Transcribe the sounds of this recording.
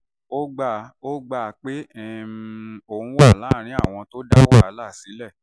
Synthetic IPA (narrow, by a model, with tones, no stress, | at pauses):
o˦ɡ͡ba˦˨ | o˦ɡ͡ba˦˧k͡pe˦ɛ˦ | o˨ũ˧wa˦˨lã˨˦˨ɾ̃ĩ˦a̰˦˨w̃ɔ̃˧to˦da˦wa˦˨a˨˦la˦˨si˨˦lɛ˦˨